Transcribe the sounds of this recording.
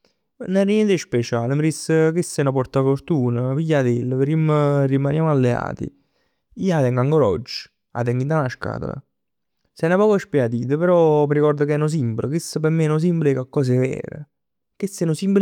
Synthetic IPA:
nɛrnɛnt̪ʃpet͡ʃaːlmɾisəkisːɛnopɔɾt̪afoɾt̪uːnəpijad̪elːəmrimrimanjaːmalːea̰ːt̪ḭ | iːat̪ɛŋɡaŋɡoɾɔ̰d͡ʒːə̥ | a̰t̪ɛŋɡint̪anaʃka̰ːt̪a̰la̰ | sɛnapɔːkoɛspjat̪iːt̪əpeɾɔmiɾikɔrd̪okɛnos̬imbləkisːəpemːenʊs̬imblikakːɔːs̬evɛ̰ːɾḛ | kisːɛnosimbl

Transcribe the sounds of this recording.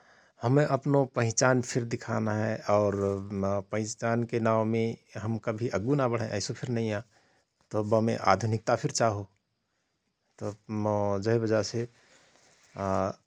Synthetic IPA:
hɐmẽʔɐpnopə̃ɦɪ̃t͡ʃaːnpʰɪɾd̪ɪkʰanaɦɛʔɔːɾpə̃ɦɪ̃t͡ʃaːnkenaːmẽɦəmkəbʱiʔəɡunabəɽ̤ẽʔɛːsopʰɪɾnɐɦĩã | t̪obəmḛ̃ʔa̰ːd̪ʱʊnɪk̚t̪apʰɪɾt͡ʃaːɦo | t̪o | d͡ʒəɦibəd͡ʒase

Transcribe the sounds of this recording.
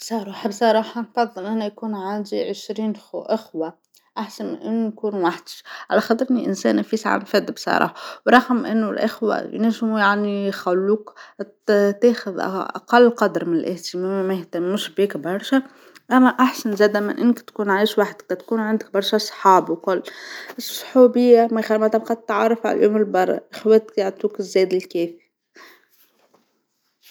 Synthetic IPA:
bsˤɑɾˤɑːħɑbsˤɑɾˤɑːħɑnfɑd̪ˤːɑlʔanajakuːnʕand̪iʕɪʃɾiːnʔɪxwa | ʔaħsanmɪ̰nʔɪnːʊjkuːnwaħd̪ɪ̥ʃʕalæxɑd̪ˤɾˤniʔɪnsæ̰ːnʔfisaʕa̰nfad̪ːbsˤɑ̰ɾˤɑ̰ːħɑwɾˤɑɣmʔɪ̰nːʊlʔɪxwa̰jneːʒmujaʕnixalːuːk | t̪ɛːxʊðʔʔɑ̰qɑlːqɑd̪ɾˤmɪnɪlʔɪht̪ɪmæːmmæjɪht̪æmːuːʃbiːkbɑɾˤʃæ | ʔæmːæʔaħsanzæːd̪æmɪnʔɪnːkt̪kuːnʕiːʃwaħd̪qɑt̪kuːnʕand̪ɪk̚bɑɾˤʃæsˤħɑːbwkʊlːɪsˤħuːbɪjːamæxæmæt̪amqɑd̪t̪ːʕɑrˤːɑfʕa̰ljuːmɪlbɑrˤːɑ̰ʔɪxwæt̪kjaʕt̪uːkɪzːɛːd̪ɪlkɛːfi̥

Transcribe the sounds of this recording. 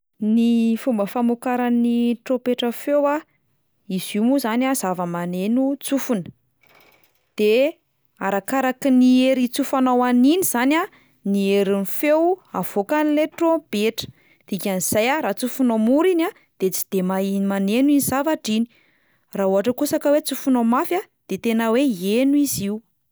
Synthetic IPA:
nifumbəfamukaɾaniʈ͡ʂopeʈ͡ʂəfewa | iz̥umuzanʲaz̥avəmanenut͡sufunə̥ | d̪̥e | aɾakaɾakinieɾit͡sufanawaniniz̥anʲa | nieɾinifewav̥okanileʈob̥eʈ͡ʂə̥ | d̪̥ikʲaniz̥ajaɾat͡sufunamuɾina | d̪̥et͡si̥d̪̥emamanenuinizavaʈ͡ʂini̥ | raɦuaʈ͡ʂəkusakəwet͡sufunomafja | d̪̥et̪enəweienuiziu

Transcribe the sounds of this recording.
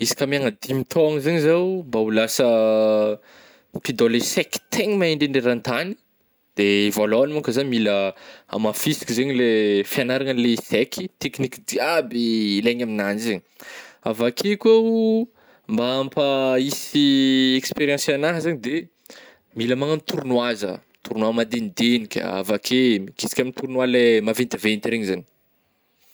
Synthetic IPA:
isi̥kamiaŋəd̪imit̪ʰoaŋzeɲizawmbaulasə | pid̪olesɛki̥t̪ʰeɲimaeɳɖ͡ʐeɳɖ͡ʐeɾant̪ani̥ | d̪̥eivaloanmuŋkəzamiləa̰mafisi̥kizeɲilefianaɾaŋəlesekʰi̥t̪eknikid̪iabiːleɲaminanizeɲiavakʰekuau | mbaampəisiekspeɾiãsanaɦəzeɲid̪e | miləmaŋənit̪uɾunwazə̰ | t̪uɾnwamad̪end̪enikʲə̰a̰vakʰemkisi̥kʲaminit̪uɾunwalemavent̪əvenit̪iɾeɲizaɲi̥

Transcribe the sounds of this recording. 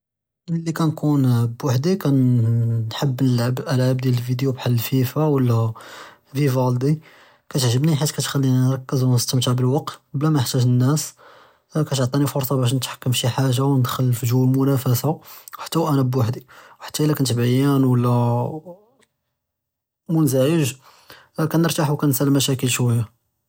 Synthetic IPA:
lːikænkunbwaħd̪ikænː | ħəbːnəlʕabʔəlʕab̚d̪jæləlfid̪jubħalːəlfifawəlːæ | fivɑld̪i | kæt̪əʕʒəbniħat̪kæt̪xælːinnɾˤɑkːəzwnəst̪əmt̪əʕbəlwɑqt̪blæmæjəħt̪æʒənːæs | kæt̪oʕt̪ˤinifoɾsˤɑbæʃ̬nət̪ħḁkːəmʃiħaʒawnəd̪xəlfʒulmʊnæfæsaħḁt̪ːæwʔænæbwaħd̪iwħḁt̪ːæʔəlːækænt̪bajænwəlːæ | munzæʕəʒ | kænəɾt̪aħuwkænsælmæʃækəlʃwæjːa

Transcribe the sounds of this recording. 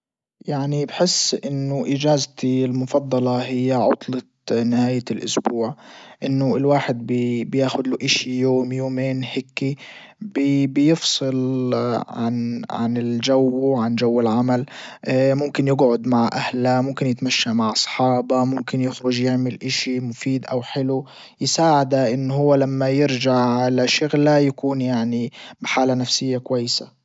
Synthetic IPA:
jaʕnibħɪsːʔɪnːʊʔɪd͡ʒaːzt̪ilmʊfɑd̪ˤːɑlɑɦɪjːaʕʊ̰t̪ˤlɑ | nɪhaːjlʔʊ̰sbuːʕʔɪnːʊɪlwaːħɪd̪̚bɪbjaːxʊd̪luʔɪʃijoːmjoːmeːnhekːi | bɪbjɪfsˤɨl | ʕa̰nʕa̰nɪld͡ʒawʕand͡ʒawːɪlʕamal | mʊmkɪnjɪɡʕʊd̪maʕʔahlamʊmkɪnjɪt̪maʃːaʔmaʕʔɑsˤħɑːbɑmʊmkɪnjɪxɾʊʒjɪʕmɪlʔɪʃimʊfiːd̪ʔawħɪlu | jɪsaːʕɪd̪aʔɪnːhʊwːalamːajɪɾd͡ʒaʕalaʃʊɣlajakuːnjaʕnibɪħaːlanafsɪjːakwajːɪsa

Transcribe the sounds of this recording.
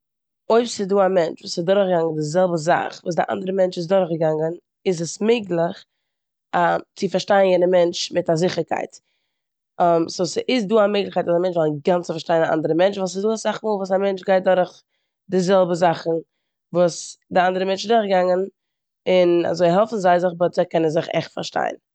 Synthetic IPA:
oɪpsɪduːamɛnt͡ʃvuːsɪsdʊɾχɡaŋən̩dɪzɛlˠbəza̰χvuːsdɪʔa̰ndəɾəmɛnt͡ʃɪs̬dʊɾχɡəɡaŋən | ɪzəsmɪɪɡlˠɪχ | at͡sɪfaɾʃtaɪnjɛdəmɛnt͡ʃmɪtazɪχəɾkʰa̰ɪt | msuːsʔɪs̬duːamɪɡlˠɪχkaɪtaːsamɛnt͡ʃvɔlˠɡant͡sɪfaɾʃtaɪnaʔa̰ndəɾəmɛnt͡ʃvusɪzduːsz̥aχmuːlˠvuːsamɛnt͡ʃɡaɪt̚dɔɾχ | dɪzɛlˠbəzaχn̩ | vuːsdɪandəɾəmɛnt͡ʃɪzdʊɾχɡɡaŋən | ɪna̰zoɪɦɛlˠfn̩zaɪzɪχbɔtz̥aɪkɛnənzɪχɛ̰χtfa̰ɾʃta̰ɪn

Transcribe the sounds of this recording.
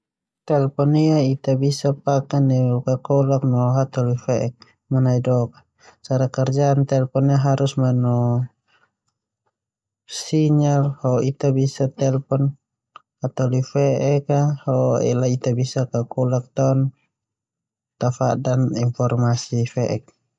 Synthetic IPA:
t̪ɛlpɔniait̪abisapakanɛukakɔlak̚nɔɦat̪ɔlifɛʔɛk̚ | manaidɔka | t͡ʃaɾakɛrd͡ʒaːnt̪ɛlpɔniaɦaɾusmanɔ | siɲalhɔit̪abisat̪ɛlpɔn | hat̪ɔlifɛʔɛkahɔɛ̰lait̪abisakakɔlak̚t̪ɔn | t̪afadaniɱfɔrmasifɛʔɛk̚

